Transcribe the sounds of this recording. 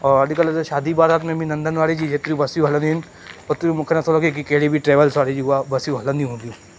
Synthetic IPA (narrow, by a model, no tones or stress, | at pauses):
ɔːɾɐɖikɐlʃaːd̪ibaːɾaːt̪mẽbʱinɐ̃nd̪ənʋaːɽid͡ʒid͡ʒʱet̪uɾibɐsijuɦɐlənin | ɔɾt̪ɾimʊkʰenat̪ʰolokek̬ikeɦɽibʱiʈɾeːʋəlsʋaːɽid͡ʒiɦabɐsijuɦɐlənĩɦũd̪ijũ